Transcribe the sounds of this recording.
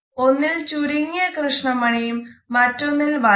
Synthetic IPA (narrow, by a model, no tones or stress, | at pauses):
o̞nːilt͡ɕuɾiŋːjɐkrɨʂɳɐmɐɳijumːɐtːo̞nːilʋɐ